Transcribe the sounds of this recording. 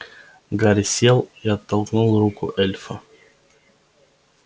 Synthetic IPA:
ɡaɾʲɪsʲelˠiɐt̪ːɐlˠknulˠrukʊ̰ʔɛlʲfə

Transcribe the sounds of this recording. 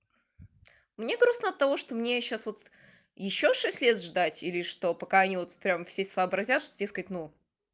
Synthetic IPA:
mnʲe̞ɡɾusnəɐt̪ːɐvo̞ʂt̪omnʲeɕːasvot̪ | jɪɕːoʂɛsʲtʲlʲet̪ʐd̪atʲilʲɪʂt̪o̞pɐkaɐnʲivo̞t̪pɾʲamfsʲesəːbɾɐzʲat̪ʂt̪odʲe̞skət̚ʲnu

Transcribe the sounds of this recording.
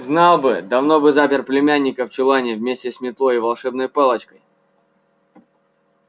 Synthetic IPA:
znɑlˠbɨd̪ɐvnobɨzapʲɪrplʲɪmʲænʲːɪkəft͡ɕɪlˠanʲɪvmʲesʲtʲɪsmʲɪt̪lˠojivɐlˠʂɛbnəjpɛlˠət͡ɕkəj

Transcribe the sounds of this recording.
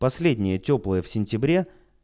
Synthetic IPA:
pɐsʲlʲedʲnʲɪjətʲoplˠəjəfsʲɪnʲtʲɪbɾʲe̞

